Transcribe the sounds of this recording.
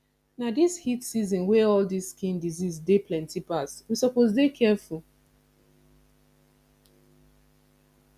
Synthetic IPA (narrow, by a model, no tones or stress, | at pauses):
nadishitsizɔ̃nwɛɔldiskĩndizizdeplɛ̃ntipaswisɔpozdekʰɛful